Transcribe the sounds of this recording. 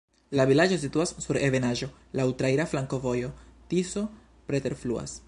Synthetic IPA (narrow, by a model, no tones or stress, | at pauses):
lavilad͡ʒo̞s̬ituasːuɾe̞ve̞naʒo̞ | lautɾaiɾaflaŋko̞vo̞jo̞tiso̞ | pɾete̞ɾflua̰s